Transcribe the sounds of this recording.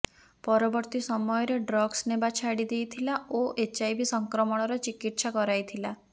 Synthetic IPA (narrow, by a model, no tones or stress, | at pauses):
pɔɾɔbɔɾt̪isɔmɔjɔɾeɖɾɔɡsnebat͡ʃʰaɽid̪ejt̪ʰilaoʔet͡ʃajbisɔŋkɾɔmɔɽ̃ɔɾɔt͡ʃikiʈsakɔɾajt̪ʰila